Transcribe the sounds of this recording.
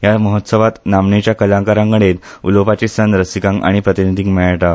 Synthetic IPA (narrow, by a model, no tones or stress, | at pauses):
jaməɦət̪səʋat̪namɳet͡ɕjakəlãkaɾãŋkəɽet̪ | ṵlopat͡ɕisənɾəsikãŋka̰ɽ̃ipɾət̪inid̪ʱiŋɡmɛɭʈa